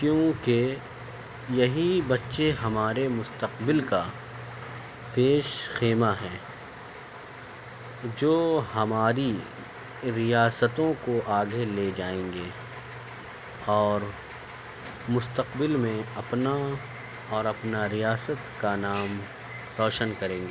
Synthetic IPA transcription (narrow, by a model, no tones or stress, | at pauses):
kjõːke | jɐɦibɐtːʃeɦɐmaːɾemʊst̪əqbɪlka | peːʃxeːmaɦɛ̃ː | d͡ʒoːhɐmaːɾi | ɾijaːsət̪õkoʔaːɡeled͡ʒaːẽːŋɡeː | ɔːɾ | mʊst̪əqbɪlmẽɐpna | ɔːɾɐpnaɾijaːsət̪kanaːm | ɾɔːʃənkɐɾẽːŋɡeː